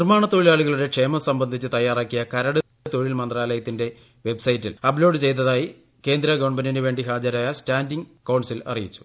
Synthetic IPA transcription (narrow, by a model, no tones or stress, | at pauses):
nirmaːɳɐt̪ːoɻilaːɭuɣɐɭuɽe̞kʂe̞ːmɐsɐmbɐnd̪ʱit͡ɕːɨt̪ɐjːaːraːkːijɐkɐɾɐɽ | t̪oɻilmɐnd̪raːlɐjɐt̪ːinde̞ | ʋe̞bsɐjitːilɐblo̞ːɖɨt͡ɕe̞jt̪ːɐðaːji | ke̞ːnd̪ɾɐɡoɳbɐnɐnɨʋe̞ːɳɖiɦaːd͡ʑɐɾaːjɐstaːndiŋkɐwɳɖsilɐ̰rijit͡ɕːu̥